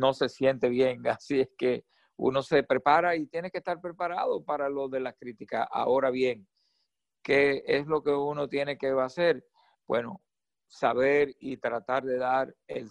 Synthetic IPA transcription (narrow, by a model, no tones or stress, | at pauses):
no̞se̞sje̞nt̪e̞βje̞ŋasieske̞ | ṵno̞se̞pɾe̞paɾait̪je̞nekest̪aɾpɾe̞paɾaðo̞paɾalo̞ðe̞lakɾit̪ikaa̰o̞ɾaβje̞ŋ | ke̞eslo̞ke̞uno̞t̪je̞ne̞ke̞ase̞ɾ | b̥we̞̰no̞ | saβeɾit̪ɾat̪aɾðe̞ðaɾḛl